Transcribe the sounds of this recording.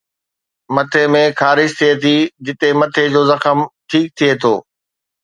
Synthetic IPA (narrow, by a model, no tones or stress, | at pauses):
mɐt̪ʰemẽxaːɾɪʃt̪ʰiet̪ʰid͡ʑɪt̪emɐt̪ʰed͡ʑoːzɐxəmʈʰiːk̚t̪ʰiet̪ʰo̰ː